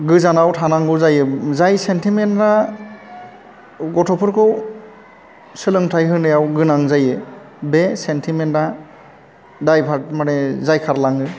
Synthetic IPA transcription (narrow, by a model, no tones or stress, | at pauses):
ɡɯzanawtʰanaŋbɯwzajɯzajsentʰimentɾa | ɡɔtʰɔpʰɯɾkʰɯw | sɯlɯŋtʰajɦɯnɯjawɡɯnaŋzajɯ | besentʰimentɾa | dajpʰat̚manezajkʰaɾlaŋɯ